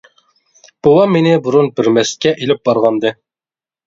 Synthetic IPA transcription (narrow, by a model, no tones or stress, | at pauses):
b̥owɑmenɪbuɾunbɪɾmɛskʲɛʔilɪp̚bɑɾʁɑnd̪ɨ